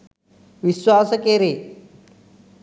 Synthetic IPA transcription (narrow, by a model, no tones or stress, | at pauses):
ʋiswaːsəkeɾeː